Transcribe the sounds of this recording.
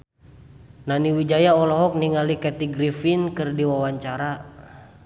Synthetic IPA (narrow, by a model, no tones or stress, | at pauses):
naniwid͡ʒajaɔlɔɦɔk̚niŋalikɛt̪iɡɾifinkɨrdiwawaɲt͡ʃaɾa